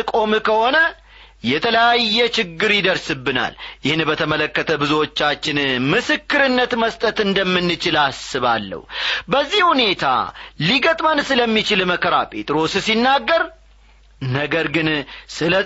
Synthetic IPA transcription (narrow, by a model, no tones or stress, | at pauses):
ɨkʼo̞mkʰəho̞nə | jɛt̪ʰələjajːɛt͡ʃɪɡːɨɾjɪd̪əɾsɨbːɨna̰ljɪhɨnbət̪ʰəmələkːət̪ʰəbɨzuwo̞t͡ʃːat͡ʃːɪnmɨsɨkːɨɾɨnːət̪məst̪ʼət̪ɨnd̪əmːɨnːɨt͡ʃɪlasɨβalːə̰wbəzːihhune̞t̪ʰa̰liɡət̪ʼmənsɨləmːit͡ʃɪlməkʰəɾa̰pʰʼe̞t̪ʼɾo̞ssinːaɡːəɾ | nəɡəɾɡɨnsɨlə